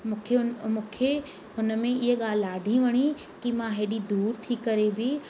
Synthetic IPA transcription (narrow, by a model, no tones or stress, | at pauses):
mũːkʰeʊnmũːkʰe | ɦʊnə̆mẽɪɦɠaːlɪaːɖʱĩʋɐɽ̃i | kimãɦeːɗid̪uːɾt̪ʰikɐɾebɪ